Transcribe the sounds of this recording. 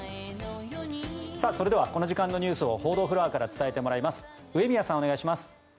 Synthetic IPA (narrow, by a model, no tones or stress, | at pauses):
sasoɾe̞d̪e̞βako̞no̞ʑikãnːo̞ɲ̟ʲɨːsɨo̞ho̞ːd̪o̞ːɸɯɾaːkaɾat͡sɨ̥t̪ae̞t̪e̞moɾaimasɨ̥ | ɯ̟e̞mʲijasão̞naiɕimasɨ̥